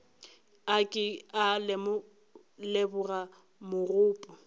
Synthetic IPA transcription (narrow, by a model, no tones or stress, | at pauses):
akʼɪalm | lebʊra | mʊrʊːpʼɔ